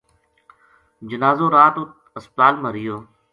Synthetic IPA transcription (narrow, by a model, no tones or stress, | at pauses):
d͡ʒənaːzõːɾaːt̪ʊt̪ | əspt̪aːlməɾɪjoː